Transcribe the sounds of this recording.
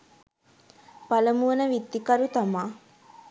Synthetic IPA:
pɐləmuʋənəʋit̪ːikɐɾut̪ɐmaː

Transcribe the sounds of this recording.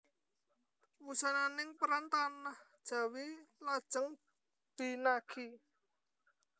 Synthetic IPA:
wusananɪŋpəɾant̪anahd̥ʒ̥a̤wilad̥ʒ̥ə̤ŋ | d̪̥i̤nakʰi

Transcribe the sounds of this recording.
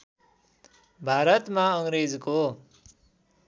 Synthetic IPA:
bʱaɾʌt̪maʌŋɾed͡zko

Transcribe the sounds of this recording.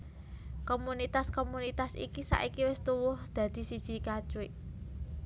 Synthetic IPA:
komunit̪askomunit̪asḭkisa̰ʔikiwɪst̪uwʊhd̪̥ä̤d̪̥i̤sid̥ʒ̥i̤kad̥ʒ̥ueʔ

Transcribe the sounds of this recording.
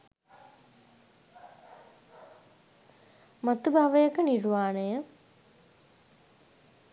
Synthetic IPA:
mat̪ubʱaʋəjəkəniɾʋaːnəjə

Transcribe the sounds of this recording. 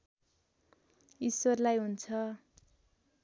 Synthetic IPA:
iswʌrlajɦunt͡sʰʌ

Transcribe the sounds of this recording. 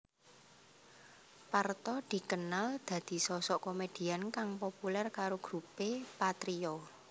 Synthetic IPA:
part̪ɔd̪̥i̤kənald̪̥ä̤d̪̥i̤sɔsɔʔkomed̪̥i̤ankaŋpopulɛrkaɾoɡ̥ɾupepat̪ɾiɔ

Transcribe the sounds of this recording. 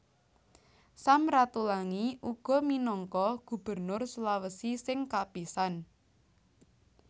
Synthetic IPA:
samɾat̪ulaŋiʔuɡ̥ɔ̤minɔŋkɔɡ̥ṳb̥ə̤rnʊrsulawəsisɪŋkapisan

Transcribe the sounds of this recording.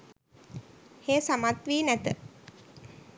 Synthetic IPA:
heːsamat̪ʋiːnæt̪ə

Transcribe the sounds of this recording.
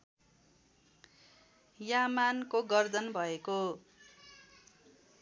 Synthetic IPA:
jamankoɡʌrd͡zʌnbʱʌeko

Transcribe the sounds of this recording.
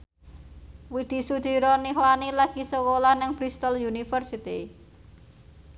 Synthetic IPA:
wid̪̥i̤sud̪̥i̤ɾɔniɦlanilaɡ̥i̤səkolanɪŋbɾist̪ɔljunifərsit̪i

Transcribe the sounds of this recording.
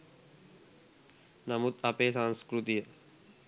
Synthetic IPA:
namut̪apeːsaŋskɾut̪ijə

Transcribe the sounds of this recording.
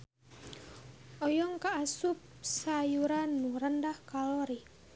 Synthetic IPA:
ʔɔjɔŋkaːsup̚sajuɾanːuɾəndahkalɔɾi

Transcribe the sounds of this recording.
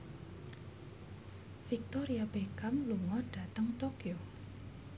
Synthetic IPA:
fik̚t̪oɾiab̥ekamluŋɔɖ̥a̤t̪əŋt̪okjo

